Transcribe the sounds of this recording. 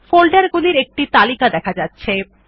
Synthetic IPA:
folɖaɾɡuliɾek̚ʈit̪alikad̪ɛkʰad͡ʑatːɕʰe

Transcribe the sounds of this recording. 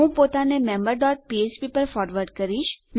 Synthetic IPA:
ɦũpoːt̪anemɛ̃ːmbəɾɖɔːʈ̚piːespipɐɾfɔːɾʋəɾɖkɐɾiːt͡ʃm

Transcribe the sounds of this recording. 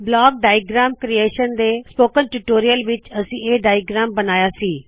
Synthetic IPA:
blaːɡ̚ɖaːɪɡɾaːmkɾieːʃənd̪eːspoːkənʈuʈoːɾijəlʋɪt͡ʃɐsĩːeːɖaːjɡɾaːmbənaːjaːsiː

